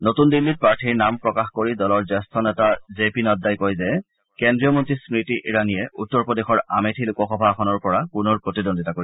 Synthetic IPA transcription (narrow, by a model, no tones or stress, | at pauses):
notundilːit̚pɹaɹtʰiɹnampɹɔkaxkoɹidɔlɔɹzɛstʰɔnɛtazepinɔtdajkojzɛ | kendɹiɔmɔntɹisɹitiʔiɹanijɛʔutːɔɹpɔdexɔɹametʰilukɔxɔbʱaxʰɔnɔɹpɔɹapunɔɹpɹotidondʱitakoɹi